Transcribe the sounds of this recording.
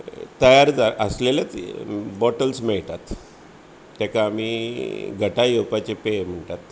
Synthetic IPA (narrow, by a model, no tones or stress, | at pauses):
t̪əjaɾd͡zaʔəslelat͡sbɔʈəlsmɛɭt̪at̪ː | jakaːmiɡʱəʈajewpat͡ɕepem̤əɳt̪at̪